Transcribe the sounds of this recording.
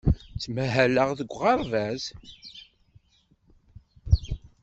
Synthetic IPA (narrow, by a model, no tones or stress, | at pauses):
t͡sːmæɦæləʁðəɡʷːʁɑɾˤvæz